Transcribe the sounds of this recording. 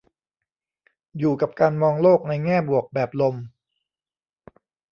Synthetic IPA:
juː˨˩ka˨˩p̚kaː˧nmɔː˧ŋloː˥˩k̚na˧jŋɛː˥˩bu˨˩ək̚bɛː˨˩p̚lo˧m

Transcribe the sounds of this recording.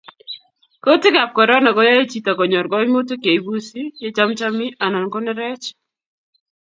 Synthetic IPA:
ko˦tɪ˦ɡa˨p̚kɔ˨ɾɔ˦na˨ɡɔ˦ja˦e˦t͡ʃi˦ta˨kɔ˨ɲɔ˨ɾɡɔ˦ɪ˦mo˦to˦ke˨i˦bu˦si˦je˦t͡ʃa˦mt͡ʃa˦mɪ˦ʔa˨na˨nkɔ˦nɛ˦ɾɛ˦t͡ʃ

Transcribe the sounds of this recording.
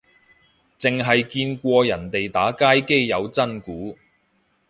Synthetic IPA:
t͡sɪ˨ŋɦɐ˨jkiː˧nkʷɔː˧jɐ˨˩nt̪e˨jt̪aː˨˥kaː˥jke˥jːɐ˨˧wt͡sɐ˥nkuː˨˥

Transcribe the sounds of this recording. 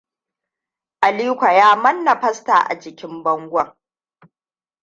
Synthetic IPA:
ʔa˨liː˦kʷa˨jaː˦mɐ˦nːɐ˨ɸɐ˦sta̰ː˨ʔa̰˨d͡ʒɪ˨kʲɪ˦mbɐ˦ŋɡʷɔ˦˨ŋ

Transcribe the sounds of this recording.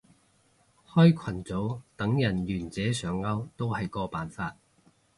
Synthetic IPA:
hɔː˥jkʷʰɐ˨˩nt͡so˨˥wt̪ɐ˨˥ŋjɐ˨˩njyː˨˩nt͡sɛː˨˥sœː˨˥ŋɐ˥wt̪o˥whɐ˨jkɔː˧paː˨˩nfaː˧t̚

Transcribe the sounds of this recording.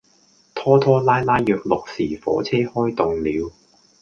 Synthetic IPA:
t̪ʰɔː˥t̪ʰɔː˥laː˥jlaː˥jːœː˨k̚lʊ˨k̚siː˨˩fɔ̰ː˨˥t͡sʰɛː˥hɔː˥jt̪ʊ˨ŋliː˨˧w

